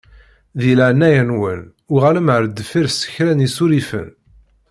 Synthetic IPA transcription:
ðiləʕnːæjænwən | ʊʁæləmʕəɾd̪əfiɾsə̥çɾænisuɾifə̰n

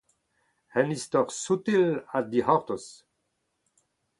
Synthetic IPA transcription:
hɛnist̪ɔʁsut̪ilad̪ihɔ̃ʁt̪os

